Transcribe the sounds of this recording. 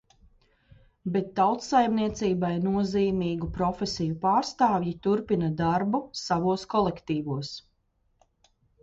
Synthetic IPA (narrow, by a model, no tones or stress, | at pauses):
bɛt̪ːawt̪sajmniɛt̪siːbajnuɔziːmiːɡupɾɔfesijupaːɾst̪aːvjit̪uɾpinɐd̪aɾbusavuɔskɔlˠekt̪iːvuɔs